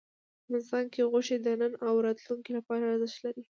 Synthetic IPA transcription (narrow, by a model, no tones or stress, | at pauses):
axmanɪst̪ɑnkeɣʊʃed̪ənənawɾɑt̪luŋkilapɑɾaɾzəʃt̪laɾi